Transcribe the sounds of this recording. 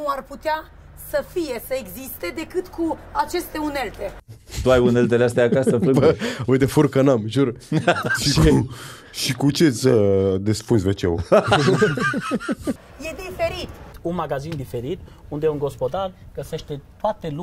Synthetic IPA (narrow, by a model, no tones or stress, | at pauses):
nuarput̪ea | səfije̞səeɡzist̪e̞d̪e̞kɨt̪kuat͡ʃe̞st̪e̞une̞lt̪e̞t̪uajunelt̪̬eleast̪eat͡ʃ̪ast̪əpɨpəujt̪efurkənamʒuɾʃi | ʃikut͡ʃesʲəd̪espunsvet͡ʃḛw | je̞d̪ife̞ɾit̪unmaɡazind̪ife̞ɾit̪und̪eunɡo̞spo̞d̪arɡəse̞ʃt̪e̞t̪oat̪e̞lu